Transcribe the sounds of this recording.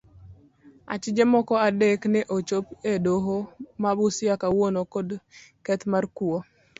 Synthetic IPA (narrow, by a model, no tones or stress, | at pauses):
a̰t͡ʃɪd͡ʒemɔkɔadeknɛʔot͡ʃopedoɦomabʊsɪakawonokodkɛt̪markuo